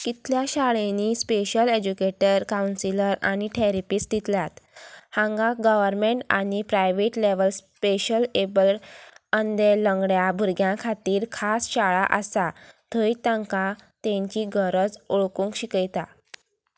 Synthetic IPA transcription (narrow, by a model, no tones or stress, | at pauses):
kit̪ljaɕaɭẽniːspeɕəled͡ʑukeʈəɾkawnsiləɾa̰ñiʈʰeɾipistd̪ʱit̪lat̪hãŋɡaɡəʋəɾmeɳʈa̰ɽ̃ipɾajʋeʈleʋəlspeɕəlebəlʈənd̪eləŋɡɽjabʱuɾɡjãkʰat̪iːɾkʰasɕaɭaʔəsat̪ʰəjt̪ãŋkat̪ẽɲt͡ɕiːɡəɾəd͡zoɭkũŋkɕikəjt̪a